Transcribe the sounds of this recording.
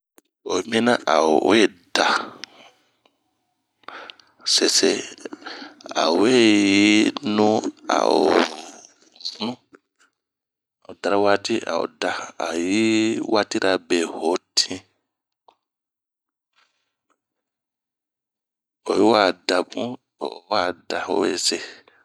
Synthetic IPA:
o˨mĩ˦nã˦ʔa˨o˨we˦˨da˨ | se˨se˨ | a̰˨we˦˨ji˦nũ˦a̰˨o˨ | u˦nũ˦˨ | o˨ta˨ɾa˦wa˦ti˦a̰˨o̰˨da˨a̰˨ji˦wa˦ti˦ɾa˨be˨ho˨tʰĩ˦ | o˨ji˦wa˦˨da˨bũ˦˨ | wa˦˨da˨o̰˨wḛ˦˨se˨

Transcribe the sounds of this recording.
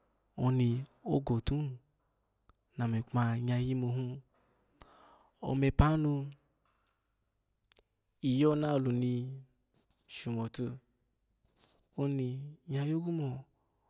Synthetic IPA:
o˧ni˧o˦ɡo˨tu˦n˨ | na˨me˨k͡pa˧ɲa˧ji˦mo˧ɦũ˦ | o̰˧˨me˨˧pa˦nu˧ | i˨jɔ˦na˦˨lu˨ni˧ | ʃu˨mo˨to˧ | o˧ni˧ɲa˧jo˦ɡu˦mo˨

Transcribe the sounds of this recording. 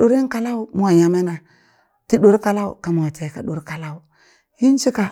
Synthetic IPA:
ɗo˨ɾi˦n˦ka˨la˦u˨mu˦wa˨ja˨me˦na˨ | ti˦ɗo˨˦ɾka˨la˦ṵ˨ka˨mu˨a˨te˨ka˨ɗo˨ɾka˨la˦u˨ | ji˦n˦t͡ʃi˦ka˨

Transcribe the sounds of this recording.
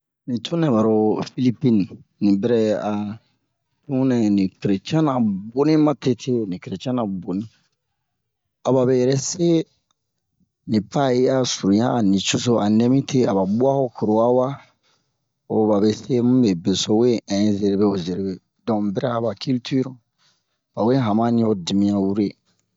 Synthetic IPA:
nĩ˨tʰu˦nɛ̃˨ba˨ɾo˨fi˦li˦pi˦n˨nĩ˨bɛ˦ɾɛ˦a˨ | tũ˦nɛ̃˨nĩ˨kɾe˨t͡ʃã˦na˨bo˦nĩ˦mã˦te˦tʰe˦˨nĩ˨kɾe˨t͡ʃã˦nã˨bo˨nĩ˦ | a˨ba˨be˨jɛ˨ɾɛ˦se˦ | nĩ˨pa˦˨je˦a˨su˨ɾu˨jãː˦˨nĩ˨t͡ʃu˦so˦a˨nɛ̃˦mĩ˦tʰe˦a˨ba˨bu˦a˦ho˦kʰo˨ɾo˨a˦wa˦ | o˨ba˨be˨se˦mũ˦be˨be˨so˦we˦ɛ̃˨˦ze˨ɾe˨be˦o˨ze˨ɾe˨be˨ | dɔ̃˨bɛ˦ɾa˦˨ba˨kʰy˦lty˦ɾɔ˨ | ba˨we˦ɦã˨mã˦nĩ˦o˦di˨mĩ˦ã˨wu˦ɾe˦

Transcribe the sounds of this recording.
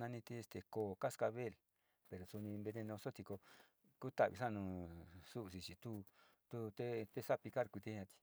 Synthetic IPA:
nã˧nĩ˧t̪i˧˦e˧st̪e˨koː˨ka˦ska˧βe˦˨l | pe˨ɾo˨su˧nĩ˧mbe˧nẽ˧nõ˧so˦t̪i˧ko˧ | ku˦t̪a˧˨βḭ˧sa˦nũ˧su˦˧˨si˧t͡ʃi˨t̪u˦ | t̪u˧t̪e˦t̪e˦sa˦pi˧ka˦ɾkʷi˧t̪i˦ã˧t̪i̥˧

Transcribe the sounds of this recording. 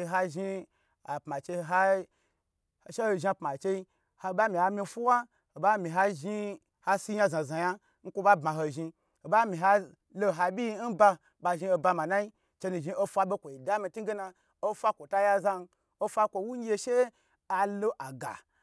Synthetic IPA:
ɦa˧ʒi˧ | a˨pma˨t͡ʃe˧ɦa˦ | a˨ʃe˦ho˧ʒi˧a˧˨pma˨t͡ʃe˧i˧ | ha˧ba˦mi˨ha˧mi˧fu˦wa˦ | ho˨ba˦mi˨ɦa˧ʒi˧ | ha˧si˦ja˧zã˨za˨ja˦ | n̩˦kʷo˧ba˦bma˨ɦo˧ʒi˧ | ho˨ba˦mĩ˨ɦa˧ | lo˧ɦa˧bʲi˦ji˧n̩˦ba˧ | ba˧ʒi˧˦o˧ba˧ma˨na˦i˦ | t͡ʃe˧nu˨ʒi˧o˦fʷa˧bʲe˦kʷo˨i˨da˦mi˧tu˦ɡe˦na˧ | o˦fʷa˦kʷo˨ta˧ja˧za˧n˧ | o˧fʷa˧˦kʷo˧wu˦ɲ˦je˧ʃe˦ | a˧lo˦ʔa˨ɡa̰˨

